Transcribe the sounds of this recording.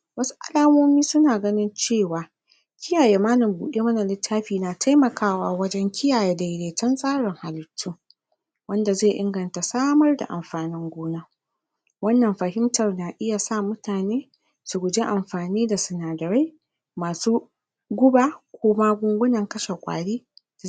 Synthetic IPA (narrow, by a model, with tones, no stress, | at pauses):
wɐ˦su̥˦ʔa̰˦laː˦moː˦miː˦sʊ˦naː˨ɡɐ˦nɪ˦nt͡ʃeː˦˨waː˨ | kʲɪ˦jaː˨jeː˨˦maː˦nɪ˨mbuː˨ɗeː˦mɐ˦na˨lɪ˦tʰːaː˦ɸiː˨naː˨tʰa˦jmɐ˨kʰaː˦waː˦wɐ˦d͡ʒɛ˦ŋkʲɪ˦jaː˨je˦da˨jleː˨tɐ˦nsʼaː˦ɽɪ˨ŋha˨lɪ˨tʰːuː˦ | wɐ˦nda˨zeː˦˨ʔɪ˦ŋɡɐ˨nta˨saː˦mɐ˦rda̰˨ʔa̰˨mɸaː˨nɪ˦ŋɡʷoː˦naː˦ | wɐ˦nːɐ˨mɸɐ˨ɦɪ˦mtɐ˨rnaː˨ʔɪ˦ja˨sa˦mʊ˦tʰaː˨neː˦ | su˨ɡʷʊ˨d͡ʒe˦ʔa˨mɸaː˨niː˦da˨sʊ˨naː˨dɐ˨ɾa˦j | maː˨suː˦ | ɡʷʊ˦ba˦kʷʰoː˦ma˦ɡʷʊ˦ŋɡʷʊ˦nɐ˨ŋkɐ˦ʃe˨kʷʼa̰ː˨ɽiː˦˨